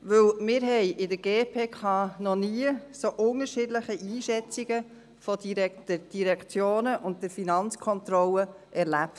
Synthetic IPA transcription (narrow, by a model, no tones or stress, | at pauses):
vɵlmɪːɾɦɛɪʔɪdəɾɡ̥eːpʰeːkʰɑːnɔniəsoʔʊnəɾʃɪdləχəʔiːʃɛt͡siɡ̥ə | fɔdiɾɛd̥ɛd̥iɾɛkt͡sjoːnəʔʊntdɛɾfinɑnt͡skʰɔnt̪ɾɔləʔɛɾlæpt